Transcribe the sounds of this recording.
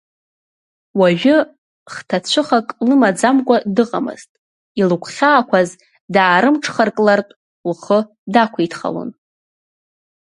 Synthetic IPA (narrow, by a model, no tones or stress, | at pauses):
waʒᶣʊ | χtʰat͡ɕʷʰʊχakʼlɨmad͡zamkʷʼadɨqʼa̰mɨ̰ztʼ | ilɨkʷʰχʲaːkʷʰaz | daːɾɨmʈ͡ʂʰχarkʼlartʼ | lχə | dakʷʰaitʰχa̰lo̰n